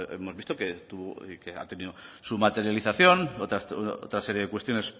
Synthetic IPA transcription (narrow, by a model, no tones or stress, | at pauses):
ḛmozβist̪oket̪uβokea̰t̪e̞niðosumat̪eɾjaliθaθjo̞not̪ao̰t̪ɾase̞ɾje̞ðe̞kwe̞st̪jo̞nes